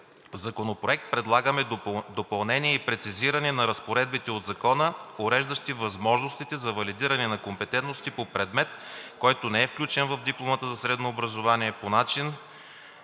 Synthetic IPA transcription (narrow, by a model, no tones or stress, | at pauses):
vzɐkonopɾoɛk̚t̪̚pɾɛd̪lˠaɡəmɛd̪opɐlˠnɛnʲiɛipɾɛt̪siziɾɐnɛnɐɾɐspoɾɛd̪̚bit̪ɛod̪zɐkɔnəoɾɛʒd̪ɐʃt̪ivɐzmɔʒnost̪it̪ɛzɐvɐlid̪iɾɐnɛnɐkompɛt̪ɛnt̪nost̪ipopɾɛd̪mɛt̪kɔjt̪onɛɛfklʲut͡ʃɛnvɐvd̪iplˠomət̪əzɐsɾɛd̪noːbɾɐzovaniɛponat͡ʃin